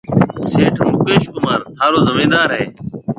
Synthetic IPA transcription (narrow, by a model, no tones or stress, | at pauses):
seːʈʰmʊkeːʃkʊmaːɾt̪ʰaːloːzəmeːd̪aːɾɦeː